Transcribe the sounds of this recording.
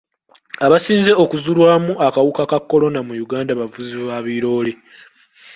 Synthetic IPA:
aβasiːnze̞o̞kuzulwaːmuakawukakakːo̞lo̞namujuɡaːndaβavuziβaːβiɾo̞ːle

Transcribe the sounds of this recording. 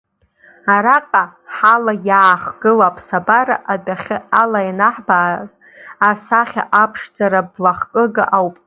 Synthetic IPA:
aɾaqʼaħalajaːχɡɨlapʰsabaɾa̰ʔadaχʲɨalajanaħbaːz | asaχʲa̰ʔapʰʂd͡zaɾablaχkʼɨɡaʔawpʼ

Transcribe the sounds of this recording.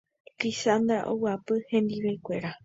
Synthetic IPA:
lisand̪ɾa̰ʔo̰wɨapɨhẽ̞nd̪iʋekʷe̞ɾa

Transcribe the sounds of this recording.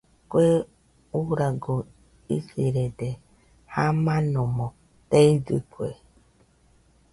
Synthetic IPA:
kʷe | uɾaɡo | ḭsiɾede | hamanɔmɔ | teid͡zɨ̰kwḛ

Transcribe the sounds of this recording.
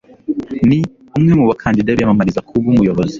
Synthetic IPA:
ni | umŋemuβakʰaːndidaβijamamaɾizakʰubɡumujo̞βozi̥

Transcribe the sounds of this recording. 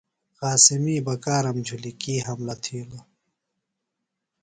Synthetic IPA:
xaːsimiːbɐkaːɾɐmd͡ʑʱulikiːɦɐmlɐt̪ʰiːlɐ

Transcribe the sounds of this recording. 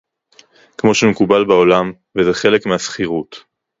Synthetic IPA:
kmo̞ʃemekubalbao̞lam | vezeχe̞le̞kmeasχiʁut

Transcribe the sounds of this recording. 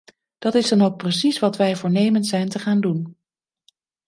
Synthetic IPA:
d̥ɑtɪzdɑnowk̚prəs̬isʋɑtʋɛjvʊːɹnejməntsɛjntəχaːndun

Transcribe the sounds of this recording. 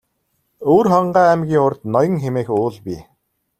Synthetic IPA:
oːrχɔɴɢæːæmɡʲiːŋʊrt̪nɔjɞ̆ŋxemeːxʊːɮpʲi

